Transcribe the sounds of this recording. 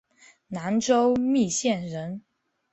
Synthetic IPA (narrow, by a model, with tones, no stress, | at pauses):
na˧˥nʈ͡ʂo˥ʊmi˥˩ɕjɛ˥˩nɻə˧˥n